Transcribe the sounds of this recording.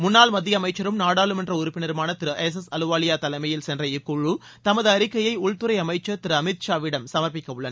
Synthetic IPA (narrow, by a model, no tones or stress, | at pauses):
mʊnːaːlmɐðːɪjɐmɐɪt͡ʃːɐɾɯmnaːɽaːlɯmɛndrɐʊɾʊpːɪnɪɾmaːnɐt̪ːɪɾɯʔɛs̬ɛsɐlɯʋaːlɪjaːt̪ɐlɐɪmɐjɪlsɛndrɐɪkːʊɻut̪ɐmɐðɯɐɾɪkːɐjɐɪʊɭt̪ɯɾɐɪɐmɐɪt͡ʃːɐt̪ɪɾɯɐmɪt̪̚ʃaːʋɪɽɐmsɐmɐɾpɪkːɐʋɯɭːɐnɐ